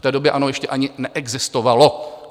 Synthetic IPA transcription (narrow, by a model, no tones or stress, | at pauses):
t̪ɛːdobjɛʔanojɛʃcɛʔaɲɪnɛʔɛɡzɪst̪ovalo̞